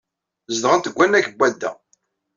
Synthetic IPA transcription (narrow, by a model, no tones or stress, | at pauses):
zd̪ʁənt̪əɡʷːænːækəbʷːæd̪ːæ̰